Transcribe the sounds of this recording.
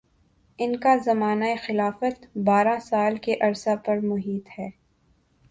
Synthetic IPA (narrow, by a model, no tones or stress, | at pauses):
ɪnkazɐmaːnaexɪlaːfət̪baːɾãsaːlkeʔɐɾsapɐɾmʊɦiːt̪hɛː